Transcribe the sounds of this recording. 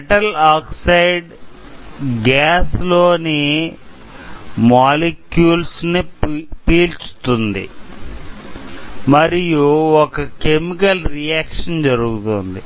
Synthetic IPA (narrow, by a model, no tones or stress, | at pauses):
ʈɐlaːksɐjɖ | ɡaːslo̞ːni | maːlekjuːlsnipiːlt͡ʃu̥t̪und̪ḭ | mɐɾijuɔkɐke̞mikɐlɾijaːkʂɐnd͡ʒɐɾuɡut̪und̪i